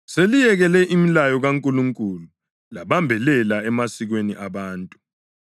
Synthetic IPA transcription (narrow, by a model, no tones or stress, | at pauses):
selijɛɣɛlɛʔimilajɔɣaŋkʼuluŋkʼulu | laɓambʱɛlɛlaɛmasiɣ̬weniʔaɓaːntʼu̥